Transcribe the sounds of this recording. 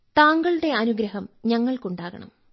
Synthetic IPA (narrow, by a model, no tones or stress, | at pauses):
t̪aːŋɡɐɭɽe̞ɐnuɡɾɐɦɐmɲɐŋːɐɭkuɳɖaːɣɐ̰ɳɐ̰m